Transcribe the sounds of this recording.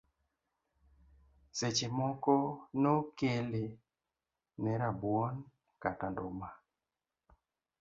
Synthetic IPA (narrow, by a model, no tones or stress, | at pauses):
set͡ʃemɔkɔnokele | nɛɾabwɔn | katandoma